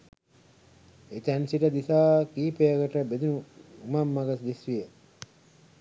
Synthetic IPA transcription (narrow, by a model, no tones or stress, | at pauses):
et̪ænsiʈəd̪isaːkiːpejəkəʈəbed̪unuumamːaɡəsd̪isʋijə